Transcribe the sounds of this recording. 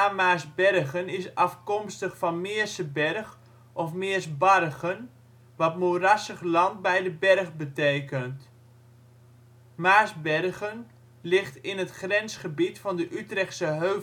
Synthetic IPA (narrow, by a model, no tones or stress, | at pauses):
amaːzbɛrχənɪsɑfkɔmstəχfɑnmɪːəɹsəbɛrχ | ɔfmɪːɹsbɑrɣən | ʋɑtmorasəχlɑnt̚bɛjdəbɛrχbəteːkənt | maːsbɛrɣən | lɪχtɪnətχrɛnsχəbitfɑndəʔytrɛχsəɦøː